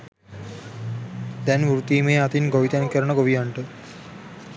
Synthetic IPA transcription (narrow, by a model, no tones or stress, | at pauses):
d̪ɛnʋuɾut̪iːmeːat̪inɡoʋit̪ɛnkəɾəɳəɡoʋijaɳʈə